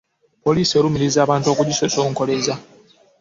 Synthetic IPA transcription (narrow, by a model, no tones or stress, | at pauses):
po̞liːsio̞lumiɾizaːβaːntokuɟisosoŋko̞leza